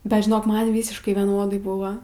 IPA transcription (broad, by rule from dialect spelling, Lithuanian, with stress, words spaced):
bʲɛt ʒʲɪˈnoːk ˈmɐn ˈʋʲiːsʲɪʃkɐɪ ʋʲiɛˈnoːdɐɪ ˈbʊʋɐ